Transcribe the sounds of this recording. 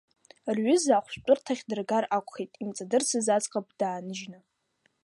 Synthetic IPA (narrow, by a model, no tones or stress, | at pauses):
rɥʏzaːχʷʃʷt͡pʷʼʊrtʰaχʲdɨrɡarakʷʰʼχejtʼimt͡sʼadɨrsʰɨzat͡sʼqʼap̚ʰʼd̥aːnɨʒna